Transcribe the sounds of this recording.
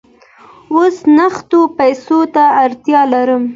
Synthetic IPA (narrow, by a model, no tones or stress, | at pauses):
osnaxt̪opajsot̪aːɾt̪jɑlaɾəm